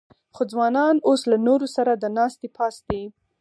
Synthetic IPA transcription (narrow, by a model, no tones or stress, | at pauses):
xod͡zwɑnɑnoslanoɾosaɾad̪ənɑst̪epʰɑsd̪i